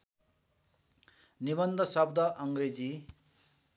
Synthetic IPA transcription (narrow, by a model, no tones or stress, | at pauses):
nibʌnd̪ʱʌsʌb̚d̪ʱʌʔʌŋɡɾed͡zi